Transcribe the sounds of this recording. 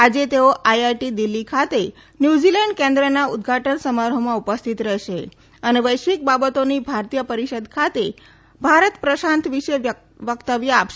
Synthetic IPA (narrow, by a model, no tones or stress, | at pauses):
ad͡ʒet̪eoʔajaɾʈid̪ilːikʰat̪e | njud͡ʒilɛɳɖkẽnd̪ɾənaud̪ɡʱaʈənsəmaɾɦomãupəst̪ʰit̪ɾɛʃe | əneʋəjʃʋik̚babət̪onibʱaɾt̪ijəpəɾiʃəd̪kʰat̪e | bʱaɾət̪pɾəʃãnt̪ʋiʃe | ʋəkt̪əʋjəapʃe